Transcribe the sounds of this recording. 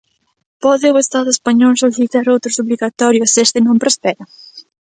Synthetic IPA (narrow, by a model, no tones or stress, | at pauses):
pɔðɪoest̪aðʊespaɲɔlsoliθit̪aɾowt̪ɾosoβliɣat̪ɔɾjosest̪ɪnõmpɾospɛɾɐ